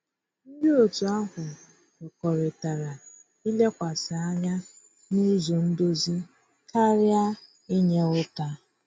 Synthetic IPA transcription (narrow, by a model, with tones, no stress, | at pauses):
n̩˦dɪ˦o˨tu˨a˦ɦʊ˨ | ɪ˨kɔ˨ɾɪ˨ta˨ɾa˨ | i˦le˦kʷa˨sa˨a˦ɲa˦ | ni˦zo˨n̩˦do˦zi˦ | ka˦ɾja˦ | i˦ɲe˦ʊ˦ta˦